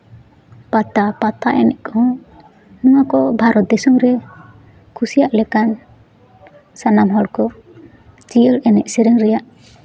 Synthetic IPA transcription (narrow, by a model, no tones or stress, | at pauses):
pat̪apat̪aʔɛnɛ̰ʔkʰɔ | nuwakɔbʱaɾɔt̪̚d̪ɛsuŋɾɛ | kʰusijaʔlɛkan | sanamɦɔɽkɔ | t͡ʃijəlɛnɛʔsɛɾɛŋɾɛjaʔ